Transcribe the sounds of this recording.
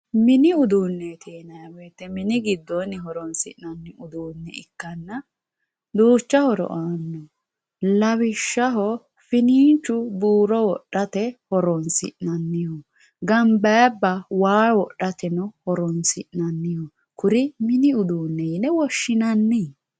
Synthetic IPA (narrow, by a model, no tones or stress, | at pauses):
mɪnɪʊd̪uːnːɛt̪ʰeːnɐjɐwɛjt̪ːɛmɪnɪɡɪd̪ːɔnːɛɦɔɾɔnsɪ̰ʔnɐnːɪʊd̪uːnːɛ̰ɪkːɐnːɐ | d̪uːt͡ʃːɐhɔɾɔ̰ʔaːnːɔ | lɐβɪʃːɐɦɔ | fɪniːnt͡ʃːʊbuːɾɔwɔɗːɐt̪ɛhɔɾɔnsɪ̰ʔnɐnːɪjɔ | ɡɐmbɐjbːɐwaːwɔʔːɐt̪ɛnɔhɔɾɔnsɪ̰ʔnɐnːɪjɔ | kʊɾɪmɪnɪʊd̪uːnːɛɪnɛwɔʃːɪnɐnːi